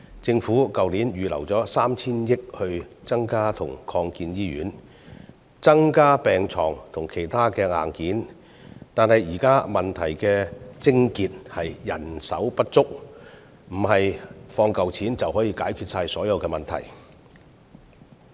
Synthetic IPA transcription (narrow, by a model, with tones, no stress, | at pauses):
t͡sɪ˧ŋfuː˨˥kɐ˨wliː˨˥njyː˨lɐ̰˨˩wt͡sɔː˨˥saː˥mt͡sʰiː˥njɪ˥k̚hɵ˧ɥt͡sɐ˥ŋkaː˥t̪ʰʊ̰˨˩ŋkʰɔː˧ŋkiː˧njiː˥ɥy̰ː˨˥n | t͡sɐ˥ŋkaː˥pɛː˨ŋt͡sʰɔ̰ː˨˩ŋt̪ʰʊ˨˩ŋkʰe˨˩jt̪ʰaː˥kɛː˧ŋa̰ː˨˩nkiː˨˥n | t̪aː˨nhɐ˨jjiː˨˩kaː˥mɐ˨nt̪ʰɐ˨˩jkɛː˧t͡sɪ˥ŋkiː˨˧t̚hɐ˨jjɐ˨˩nsɐ̰˨˥wpɐ˥t̚t͡sʊ˥k̚ | m̩˨˩ɦɐ˨jfɔː˧ŋkɐ˨wt͡sʰiː˨˥nt͡sɐ˨wɦɔː˨˥jiː˧kaː˨˥jkʰyː˧t̚saː˧jsɔː˨˥jɐ˨˧wkɛː˧mɐ˨nt̪ʰɐ̰˨˩j